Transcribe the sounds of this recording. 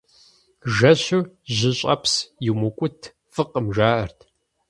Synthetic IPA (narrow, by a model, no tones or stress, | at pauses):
ʒɐɕʊʑɪɕʼɐ̰psjimʊkʷʼʊtʰ | fɨqəmʒaːʔɐrtʰ